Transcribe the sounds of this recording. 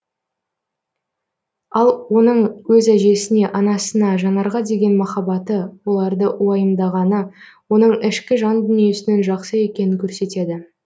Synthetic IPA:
ɑlˠwo̞nəɴwɵzæʒe̞sɪne̞ʔɑnɑsənɑʒɑnɑɾʁɑd̪e̞ɡʲe̞nmɑχɑbɑt̪əwo̞lˠɑɾd̪əʔwɑjəmd̪ɑʁɑnə | wo̞n̪əɴɪʃkʲɪʒɑnd̪ʏnije̞sɪne̞nʒɑqsəje̞kʲe̞nɪŋkʲʰɵɾse̞t̪e̞d̪ɪ

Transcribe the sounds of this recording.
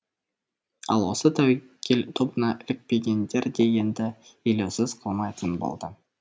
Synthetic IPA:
ɑ̰lˠwo̞sət̪ʰæw | kʲʰelt̪ʰobənɑʔɪlɪk̚pe̞ɡʲe̞nd̪e̞ɾd̪e̞je̞nd̪ɪ | elewsɪzqʰəlˠmɑjt̪ʰənbo̰lˠd̪ə

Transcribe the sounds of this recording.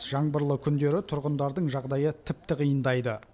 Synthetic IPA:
ʒ̥ɑɴbəɾlˠəkʲʰʏnd̪e̞ɾɪt̪ʰʊɾʁənd̪ɑɾd̪əɴʒɑʁd̪ɑjət̪ʰɪp̚t̪ɪqʰijənd̪ɑjd̪ə

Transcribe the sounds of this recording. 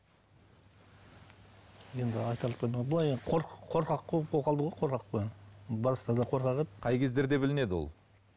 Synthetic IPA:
je̞nd̪ɪɑjt̪ɑɾlˠət̪ɑmebəlˠɑjqʰoɾqʰːo̞ɾqɑqːoqʰolˠqɑlˠd̪əʁo̞jqʰo̞ɾqɑqpobɑɾəst̪ɑd̪ɑqʰo̞ɾqɑqetqʰɑjkʲʰe̞zd̪e̞ɾd̪e̞bɪlɪne̞d̪ɪwo̞̰lˠ

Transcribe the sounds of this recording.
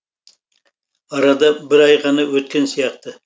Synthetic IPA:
ɑɾɑd̪ɑbɪɾɑjqɑnɑwɵt̪̚kʲe̞nsijɑqt̪ə

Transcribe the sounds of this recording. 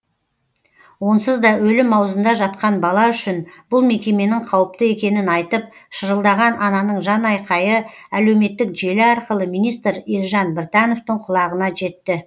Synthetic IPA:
wo̞nsəzd̪ɑɵlɪmːɑwzənd̪ɑʒɑt̪̚qɑnbɑlˠɑʏʃɪnbʊlˠme̞kʲe̞me̞nɪɴqʰɑwəp̚t̪əe̞kʲe̞nɪnɑjt̪əp̚ʃəɾəlˠd̪ɑʁɑnʔɑnɑnəɴʒɑnɑjqɑjə | æle̞wme̞t̪ːɪkʒe̞lɪɑɾqəlˠəmijnijst̪ɾelʒɑnbɪɾt̪ɑno̞ft̪əɴqʰʊlˠɑʁənɑʒe̞t̪ːɪ

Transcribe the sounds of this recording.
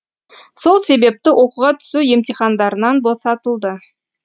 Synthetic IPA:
so̞lˠse̞be̞p̚t̪ɪwʔo̞quʁɑt̪ʰʏ̥suje̞mt̪iχɑnd̪ɑɾənɑnbo̞sɑt̪əlˠd̪ə

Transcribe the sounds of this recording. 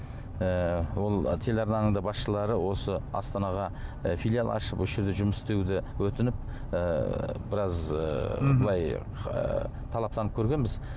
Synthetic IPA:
əwo̞lˠt̪ʰe̞lɑɾnɑnəɴd̪ɑbɑsʃəlˠɑɾəwo̞səɑ̰st̪ɑnɑʁɑfijlʲijalˠʔɑ̰ʃəpʊʃɾd̪eʒʊməst̪e̞d̪ɪwɵt̪ɪnɪp̚ː | bɪɾɑz | bəlˠɑj̰ | t̪ʰɑlˠɑp̚t̪ɑnəp̚kʲʰɵɾɡʲe̞nbɪz

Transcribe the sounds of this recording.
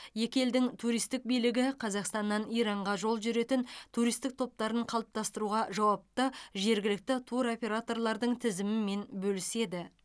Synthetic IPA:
je̞kʲe̞ld̪ɪŋt̪ʰuɾijst̪ɪk̚bijlɪɡʲɪqʰɑzɑqst̪ɑnːɑnijɾɑɴʁɑʒo̞lˠʒʏɾe̞t̪ɪnt̪ʰuɾijst̪ɪk̚t̪ʰo̞p̚t̪ɑɾəɴqʰɑlˠəp̚t̪ɑst̪əɾuʁɑʒɑwɑp̚t̪əʒe̞ɾɡʲɪlɪk̚t̪ɪt̪ʰuɾo̞pʲe̞ɾat̪o̞rlˠɑɾd̪əɴt̪ʰɪzɪmɪme̞nbɵlɪse̞d̪ɪ

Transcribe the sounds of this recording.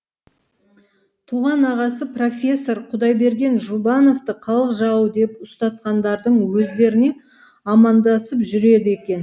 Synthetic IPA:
t̪ʰuʁɑnɑʁɑsəpro̞fʲe̞sːo̞ɾqʰʊd̪ɑjbe̞ɾɡʲe̞nʒubɑno̞ft̪əqʰɑlˠəqʒɑəd̪e̞pʊst̪ɑt̪̚qɑnd̪ɑɾd̪əɴwɵzd̪e̞ɾɪne̞ | ɑmɑnd̪ɑsəpʒʏɾe̞d̪ɪe̞kʲe̞n

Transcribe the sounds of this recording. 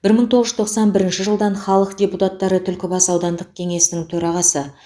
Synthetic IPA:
b̥ɪɾməɴt̪ʰo̞ʁəʒʏzt̪ʰo̞qsɑnbɪɾɪnʃɪʒəlˠd̪ɑɴχɑlˠəqd̪ʲe̞put̪at̪ːɑɾət̪ʰʏlkʲɪbɑsɑwd̪ɑnd̪əq̚kʲʰe̞ŋe̞sɪnɪŋt̪ʰɵɾɑʁɑsə

